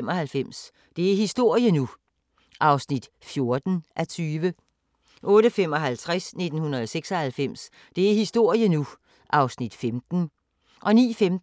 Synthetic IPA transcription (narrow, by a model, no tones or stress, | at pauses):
mɒ̽hælfem̰s | d̥e̝æɐhisd̥o̝ɐ̰jənu | ʔɑ̈ʊsnid̥ | fjo̝ɐd̥n̩ʔæt͡sʰyːʋə | ʔɔ̽ːɾəfem̰ɒ̽ɦælt͡sʰʁasne̝d̥n̩hunɐðˠɒ̽seɡ̥sɒ̽hælfem̰s | d̥e̝æɐhisd̥o̝ɐ̰jənu | ʔɑ̈ʊsnid̥femd̥n̩ | ʔɒ̽nḭːfem̥